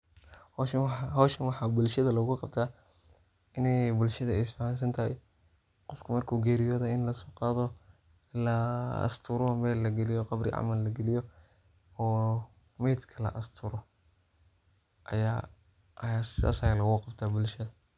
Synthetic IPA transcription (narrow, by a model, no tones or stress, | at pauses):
hɔʃɦɔʃɐnwɑħɑːbʊlʃɐðɐlɐɣʊqɑbt̪ʰaː | ɪnɛjbʊlʃɐðɐɛsfɐhans̬ɐnt̪ʰɐhɛj | qɔfkʰɐmɐrkʰuːɡɛːɾɪjɔːðɔɪnlɐsɔːqɑːðɔ | lɐɐ̰st̪ʰʊɾɔmɛːlːɐɡɛlɪjɔqɑbɾɪ̰ʕɑ̰mɐlːɐɡɛlɪjɔ | ɔː | mɛːd̪kʰɐlɐ̰ʔɐst̪ʰʊɾɔ | ʔɐ̰jaː | ʔɐjaːsɪða̰ːsɐjaːlɐɣʊqɑbt̪ʰaːbʊlʃɐðɐ